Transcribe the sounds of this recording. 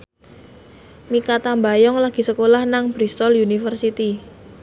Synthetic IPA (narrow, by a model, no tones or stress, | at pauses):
mikat̪ambajɔŋlaɡ̥i̤səkolahnaŋb̥ɾist̪ɔljunifərsit̪i